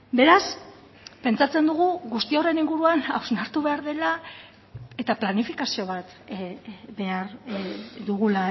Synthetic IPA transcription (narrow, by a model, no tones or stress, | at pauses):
be̞ɾas | pe̞nt͡sat͡se̞nd̪uɣ̞uɣust̪io̞re̞niŋɡuɾuanawznaɾt̪uβe̞aɾðe̞la | e̞t̪aplanifikasio̞βat̪ | be̞aɾ | d̪uɣ̞ula